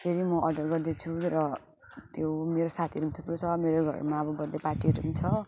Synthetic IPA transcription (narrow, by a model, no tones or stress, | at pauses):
t̪ʰeɾimʌʔʌɖʌrɡʌrd̪et͡sʰuɾʌ | t̪jomeɾosat̪ʰiɾumt̪ʰuprot͡sʰʌmeɾoɡʱʌ̰ɾ̰ɾmaʌbʌbʌnd̪eparʈiɾumt͡sʰʌ